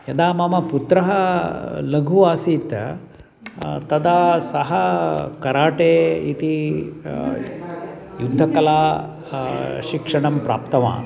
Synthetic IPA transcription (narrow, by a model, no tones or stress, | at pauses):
jɐd̪aːmɐmɐput̪ɾɐɦɐlɐɡʱuʋaːsit̪ɐ̰ | t̪ɐd̪aːsɐɦɐkɐɾaːʈeːit̪i | jud̪ʱːɐkɐlaː | ʃikʂɐɳɐmpɾa̰ːp̚t̪ɐʋa̰ː